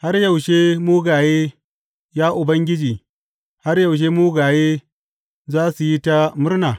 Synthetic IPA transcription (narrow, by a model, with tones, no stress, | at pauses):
ha˦rjɐ˨wʃe˦muː˦ɡaː˨jeː˦ | jaː˦ʔʊ˨bɐ˦ŋɡʲɪ˦d͡ʒiː˨ | ha˦rjɐ˨wʃ̬eː˦muː˦ɡaː˨jeː˦ | zaː˦su˨ji˦ta˦mʊ˦rnaː˨